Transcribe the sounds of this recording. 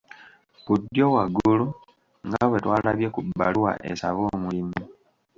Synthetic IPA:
βudːjowaɡulu | ŋɡawe̞twaːlaβje̞kubːalwwa̰ʔesa̰βoːmulimu

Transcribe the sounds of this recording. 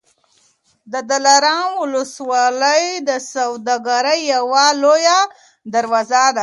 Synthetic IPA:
d̪əd̪alaɾɑnwʊləswɑləjd̪əsawd̪aɡaɾəjːawaloja | d̪aɾwazad̪a

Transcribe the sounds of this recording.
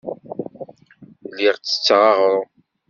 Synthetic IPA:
liʁt͡sːə̥t͡sːʁɑʁɾˤʊ

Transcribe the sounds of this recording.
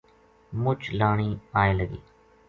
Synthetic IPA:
mʊt͡ʃlaːɳ̃iːaːeːləɡḭː

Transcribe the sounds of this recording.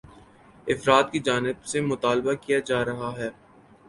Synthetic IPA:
ɪfɾaːt̪̚kid͡ʒaːnɪbsemʊt̪aːlbakijad͡ʒaːɾɐɦaɦɛː

